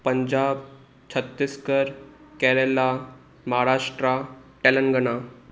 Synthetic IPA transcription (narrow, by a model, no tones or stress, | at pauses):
pəɲd͡ʑab | t͡ɕʰət̪ːiskəɾkɛɾela | məɦaɾaʂʈɾaʈɛlənɡəna